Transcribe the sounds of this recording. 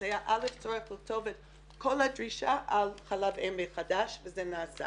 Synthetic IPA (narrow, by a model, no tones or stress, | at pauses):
ajaʔaleft͡soɹeχlitʰovɛt | kʰolhadɹiʃaʔalχalavembeχadaʃvəzɛnaːsa̰